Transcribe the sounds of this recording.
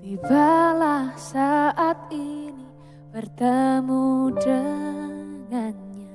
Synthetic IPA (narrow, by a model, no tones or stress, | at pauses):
t̪iɡalahsaʔat̪̚ini | b̥ərd̪əmudə | ŋanɲa